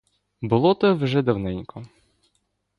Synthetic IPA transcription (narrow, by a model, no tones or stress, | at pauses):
bʊlˠɔt̪ɛwʒɛd̪ɐwnɛnʲkʰɔ